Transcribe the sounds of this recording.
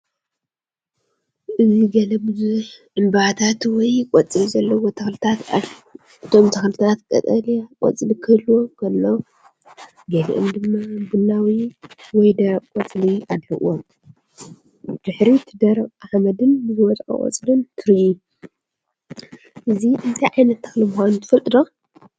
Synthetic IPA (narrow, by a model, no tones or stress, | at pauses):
ʔɨziɡɐlɐbɨzuħʔɨmbat̪ʰat̪wɔjkʼɔt͡sʼlizɐlːɐwot̪ʰɐxlɨt̪ʰat̪ | ʔɨt̪ʰo̞mt̪ʰɐxlɨt̪ʰat̪kʼɐ̰t̪ʼɐlikʼɔ̰t͡sʼlikʰɨlwokʰɐlːo | ɡɐlḭʔɨ̰md̪ɨmːabɨnːawiwɔjd̪ɐkʼɔt͡sʼliad̪ħɨʔom | d̪̥ɨħɾit̪ʰɨd̪ɐɾʔaħmɐd̪ɨnbɨzɨwɐt̪ʼkʼɐ̰kʼɔ̰t͡sʼlɨnt̪ʰɨɾɨʔu | ʔɨziʔɨnt̪ʰajʕajnɐt̪ːɨ̥xlimuxʷanut̪ʰɨfɨlt̪ʼɨd̪o